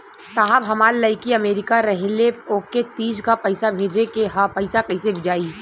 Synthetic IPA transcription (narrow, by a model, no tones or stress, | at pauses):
saɦəbɦɐmaːlːɐɪkiɐmeːɾɪkaɾɐɦleoːkːet̪iːd͡ʒkapɐɪsabʱeːd͡ʒekeɦapɐɪsakɐisebʱɪd͡ʒaːi